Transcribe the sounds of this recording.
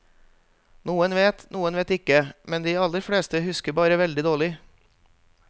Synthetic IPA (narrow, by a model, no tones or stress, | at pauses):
nuːənʋeːt̪nuːənʋeːt̪ɪkəmɛnd̪iːɑlːəɾfɽeːst̪əhʉskəɾbɑːɾəʋɛld̪ɪd̪oːɭɪ